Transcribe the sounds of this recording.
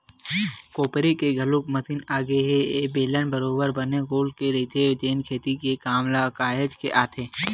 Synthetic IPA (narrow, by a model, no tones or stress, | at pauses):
koːpɾikeɡʱɐlʊkmət̪ɪnaːɡeɦeebeːlənbəɾoːbəɾbəneɡoːlkeɾit̪ed͡ʒeːnkʰeːt̪ikekaːmlakaːɦed͡ʒkeʔaːt̪ʰeː